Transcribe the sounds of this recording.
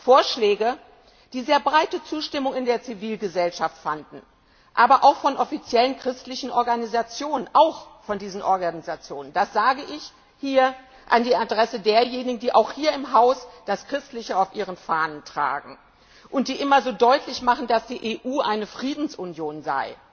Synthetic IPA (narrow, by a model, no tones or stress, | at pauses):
foːɐʃlɛːɡə | d̥iːzeːɐbʁaɪtət͡suːʃtɪmʊŋɪndeːɐt͡siviːlɡəzɛlʃaftfandn̩ | ʔaːbɐʔaʊxfɔnʔɔfit͡sjɛlənkʁ̥ɪstlɪçn̩ʔɔɐɡanizat͡sjoːnənʔaʊxfɔndiːzn̩ʔɔ̰ɐɡanizat͡sjoːnənd̥asz̥aːɡəʔɪç | hiːɐ | ʔandiːadʁɛsədeːɐjeːnɪɡn̩diːʔaʊxhiːɐɪmɦaʊsd̥askʁ̥ɪstlɪçəaʊfʔiːʁənfaːnəntʁ̥a̰ːɡŋ̩ | ʔʊnt̚d̥iːʔɪmɐzoːdɔʏtʰlɪçmaχn̩d̥asd̥iːʔeːʔuːʔaɪnəfʁ̥iːdn̩sʔunjoːnza̰ɪ